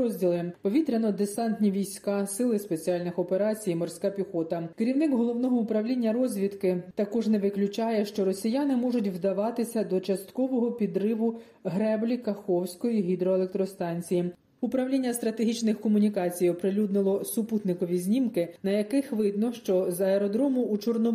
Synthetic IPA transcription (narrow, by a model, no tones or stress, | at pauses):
ɔzʲdʲilˠɪpɔʋʲit̪ɾʲenɔd̪esɑnt̪nʲiʋʲijsʲkɑsɪlˠɪspe̞t͡sʲiɑlʲnɪxɔpeɾɑt͡sʲijmɔrsʲkɑpʲixɔt̪ɐkeɾʲiwnɪkɦɔlˠɔʋnɔɦɔupɾɐwlʲinʲːɐɾɔzʲʋʲit̪kɪt̪ɐkɔʒnɛʋɪklʲʊt͡ʃɑjɛʃt͡ʃɔɾɔsʲijanɪmɔʒʊtʲʋd̪ɐʋɑt̪ɪsʲɐd̪ɔt͡ʃɐst̪kɔʋɔɦɔpʲid̪ɾɪʋʊ | ɦɾɛblʲikɐxɔwsʲkɔjiɦʲid̪ɾɔelek̚t̪ɾɔst̪ɑnʲt͡sʲiji | upɾɐʋlʲinʲːɐst̪ɾɐt̪e̞ɦʲit͡ʃnɪxkɔmʊnʲikɑt͡sʲijɔpɾɪlʲud̪nɪlˠɔsʊput̪nɪkɔʋʲizʲnʲimkɪnɐjɐkɪxʋɪd̪nɐwʃt͡ʃɔzɐeɾɔd̪ɾɔmʊːt͡ʃɔrnɔ